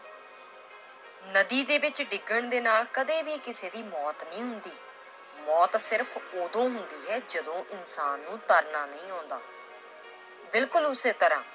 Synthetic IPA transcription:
nəd̪iːd̪eːbɪt͡ʃɖɪɡəɳd̪eːnaːlkəd̪eːbiːkɪseːd̪iːmɔːt̪nĩːɦʊnd̪iː | mɔːt̪sɪɾpʰoːd̪õːɦʊnd̪iːɦɛːd͡ʒəd̪õːʔɪnsaːnːũːt̪əɾnaːnəĩːaːʊnd̪a̰ː | bɪlkʊlʊseːt̪əɾã̰ː

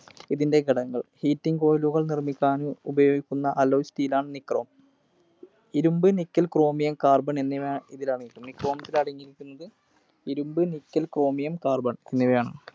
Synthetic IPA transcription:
iðinde̞ɡɐɽɐŋːɐɭhiːtːiŋɡko̞ːjluɣɐɭnirmikʲːaːnuubɐjo̞ːɡikʲːunːɐʔɐlːoːstiːlaːɳɨnikro̞ːm | iɾumbɨnikʲːɐlkro̞ːmijɐmkaːrbɐɳenːiʋaːiðilaːɳiʈːumnikro̞ːmɐt̪ːilɐɽɐŋːiɾikʲːunːɐðɨ | iɾumbɨnikːɐlkro̞ːmijɐmkaːrbɐɳenːiʋejaːɳɨ

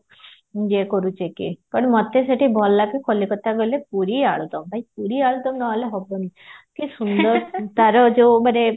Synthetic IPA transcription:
d͡ʒekɔɾut͡ʃekḭpəɳmɔt̪eseʈibɔlːakekʰɔlːikɔt̪aɡolepuɾiaɭd̪ɔmbʱaipuɾiaɭd̪ɔmnɔleɦɔbonikisund̪ɔɾt̪aɾɔd͡ʒomaɾe

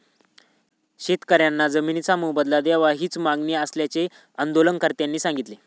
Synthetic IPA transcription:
ɕet̪kəɾjanːad͡zəminit͡samubəd̪lad̪jaʋaɦiːt͡smaɡniəsljat͡ɕe | ənd̪olənkəɾt̪janːiːsãŋɡit̪le

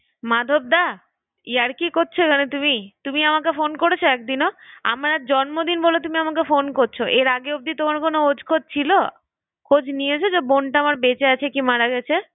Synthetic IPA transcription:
mad̪ʱob̚d̪a | iaɾkikoɾt͡ɕʰokʰanet̪umit̪umiamakefonkoɾet͡ɕʰoɛk̚d̪inoa̰mɾad͡ʑɔnmod̪inbolot̪umiamakefonkoɾt͡ɕʰoʔeɾaɡeob̚d̪it̪omaɾkonood͡ʑkʰod͡ʑt͡ɕʰilo | kʰod͡ʑʱniet͡ɕʰod͡ʑoboɳʈaamaɾbet͡ɕeat͡ɕʰekimaɽaɡɛt͡ɕʰe

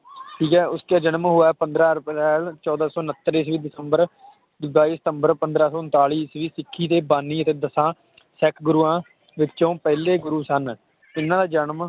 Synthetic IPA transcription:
ʈʰiːkɛːʊskaːd͡ʒənmɦʊːɛːpənd̪ɾaːɾpɾɛːlt͡ʃɔːd̪aːsɔːnət̪ːɾiːsʋiːd̪ɪsəmbəɾ | baːiːsə̥t̪əmbəɾpənd̪ɾaːsɔːʊnt̪aːiːsʋiːsɪkʰːiːt̪eːbaːniːət̪eːd̪əsãː | sɛkʰɡʊɾuːãː | ʋɪtːt͡ʃõːpɛːleːɡʊɾuːsən | ɪnãːd̪aːd͡ʒənm

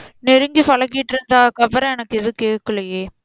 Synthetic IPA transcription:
nɛɾɯŋɡifɐɭɐk̬ːɪʈːɪɾɯnd̪aːkɐbɐɾɐ̃ɛnɐkːɛðɯkeːʈkːɯɭɐjeː

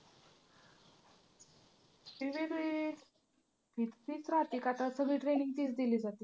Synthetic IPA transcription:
iʋeɾi | pit̪t̪it͡sɾat̪ikat̪asəbʱiʈɾeniŋɡt̪iːt͡sd̪iliːd͡zat̪iː

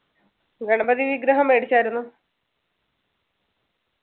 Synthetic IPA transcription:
ɡɐɳɐbɐðiʋiɡɾɐɦɐme̞ːɽit͡ɕːaːjiɾunːu

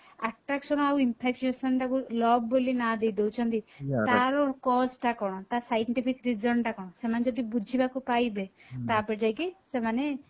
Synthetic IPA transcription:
aʈɾaksɔnɔawimpʰek̚t͡ʃesɔnʈakulɔbːolinad̪ejd̪ewt͡ʃʰɔnt̪it̪aɾɔkɔsʈakɔɽ̃ɔt̪asajɳʈipʰikɾid͡ʒɔnʈakɔɽ̃ɔ̃semaned͡ʒɔd̪ibud͡ʒʱibakupajbet̪apɔd͡ʒajkisemane

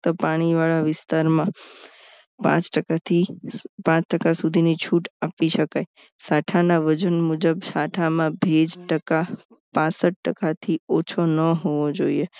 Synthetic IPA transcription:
t̪opaɽ̃iʋaɭaʋɪst̪aɾmã | pã̰t͡ʃʈəkat̪ʰipãt͡ʃʈəkasud̪ʱinit͡ʃʰuʈapiʃəkaj | saʈʰanaʋəd͡ʒənmud͡ʒəbsaʈʰamãbʱed͡ʒʈəka | pãsəʈ̚ːəkat̪ʰiot͡ʃʰonəɦoʋod͡ʒoie

